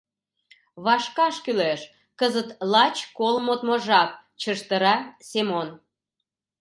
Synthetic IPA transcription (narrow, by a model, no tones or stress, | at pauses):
βɑʃkɑʃkyleʃ | kəzət̪lɑt͡ɕkolmot̪moʒɑp̚ | t͡ɕəʃt̪əɾɑsemon